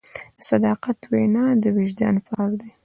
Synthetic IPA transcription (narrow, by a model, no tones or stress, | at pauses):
sad̪ɑqat̪wenɑd̪əwɪʒd̪ɑ̰nfaɑɾd̪e